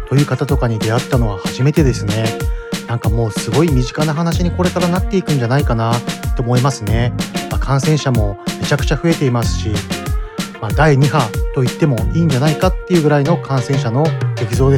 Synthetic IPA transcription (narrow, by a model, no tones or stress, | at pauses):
t̪o̞jɯ̟ːkat̪at̪o̞kaɲ̟id̪e̞at̪ːano̞βɡahaʑime̞t̪e̞d̪e̞sɨne̞nãŋkamo̞ːsɨɡo̞imʲiʑikanaɦanaɕiɲ̟iko̞ɾe̞kaɾanat̪ːe̞ikɯ̟̃ɲ̟d͡ʑanaikanat̪ːo̞ːmoimasɨne̞makʰãɰ̃sẽ̞ɰ̃ɕamo̞me̞t͡ɕakɯ̟̥t͡ɕaɸɯ̟e̞t̪e̞imasɨ̥ɕi | mad̪aiɲ̟iɦat̪o̞it̪ːe̞mo̞iːɲ̟d͡ʑanaikat̪ːe̞iɯ̟ːɡɯ̟ɾaino̞kʰãɰ̃sẽ̞ɰ̃ɕ̬ano̞ɡe̞kʲizo̞ːd̪e